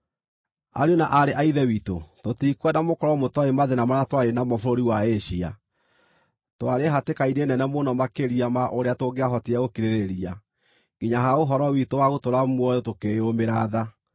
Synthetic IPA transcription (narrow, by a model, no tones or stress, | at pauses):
a̰ɾeonaʔaɾeʔaiðɛwito̰totikwɛnamokɔɾɔmotɔemaðenamaɾatwaɾenamɔfoɾoɾiwaeɕia̰ | twaɾeɦatekainenɛnɛmonɔmakeɾiamaʔoɾeatoɡeaɦɔtiaɣokiɾeɾeɾia | ɡ̥iɲaɦaoɦɔɾɔwitowaɣotoɾamwɔjotokeomeɾaða